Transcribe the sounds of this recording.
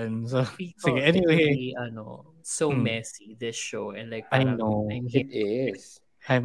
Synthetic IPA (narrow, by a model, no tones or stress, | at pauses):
nsopilakɛniweiaɪnoʊ | sommɛsiðɪsʃoʊɛ̃nlaɪk̚aɪnõnɪtɪz̥ | ã